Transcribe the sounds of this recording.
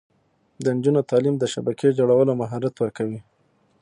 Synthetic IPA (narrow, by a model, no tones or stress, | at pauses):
d̪ənd͡ʒunot̪ɑlimd̪əʃabaked͡ʒoɽawəlomaɦɑɾat̪wəɾkawi